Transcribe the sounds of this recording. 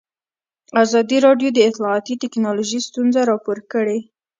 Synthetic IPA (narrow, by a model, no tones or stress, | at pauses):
azɑd̪iɾɑɖjod̪əɪt̪lɑːt̪it̪ɪknɑloʒist̪unzaɾɑpoɾkəɽe